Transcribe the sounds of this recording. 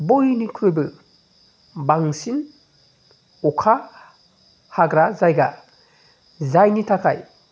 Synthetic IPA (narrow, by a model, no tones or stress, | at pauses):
bojnikʰɯbɯ | baŋsin | ɔkʰa | haɡɾazajɡa | zajnitʰakʰaj